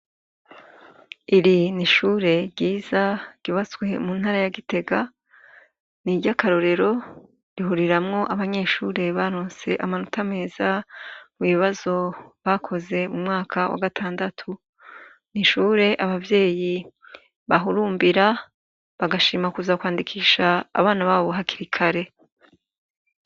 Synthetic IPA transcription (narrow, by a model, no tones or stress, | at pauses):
iɾiniʃuːɾe̞ɟiːzḁɟ̥uβat͡sɡwe̞muːn̥haːɾajaɡite̞ɡa | niɾɟakaɾo̞ɾe̞ɾo̞ | ɾiɦuɾiɾamŋo̞ʔaβaɲe̞ːʃuːɾe̞βaɾoːnse̞ʔamanutʰame̞ːzamuβiβazo̞βakʰo̞ze̞mumŋaːkʰawa̰ɡatʰaːndatʰu | niʃuːɾe̞ʔaβavje̞ːji | βaɦuɾuːmbiɾa | βaɡaʃiːmakuzakwaːndikʰiːʃa̰ːβaːnaβaːβoɦakiɾikʰaɾe̞